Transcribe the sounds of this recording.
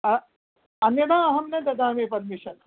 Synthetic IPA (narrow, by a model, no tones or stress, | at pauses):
ɐ | ɐnjɐɽaːɐɦɐmnɐd̪ɐd̪aːmeːpɐɾmiʃɐn